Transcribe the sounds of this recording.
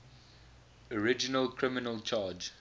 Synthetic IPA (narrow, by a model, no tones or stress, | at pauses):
ɔɹɪd͡ʒɪnəlkʰɹɪmɪnəlˠt͡ʃʰaːd͡ʒ